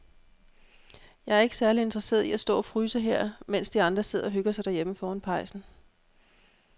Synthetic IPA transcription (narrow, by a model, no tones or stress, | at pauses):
jɑ̈ɪæɐe̝ɡ̥ə̥sæɐlie̝nd̥ʁɐse̝̰ːɐðˠiæsd̥ɔ̰̽ːɒfʁyːsəɦeɐ̰men̰sd̥iɑ̈nd̥ʁɐse̝ð̞̰ˠɐɒɦøɡ̥ɐsɑ̈ɪd̥æɐjeməfɒːænpʰɑ̈ɪ̰sn̩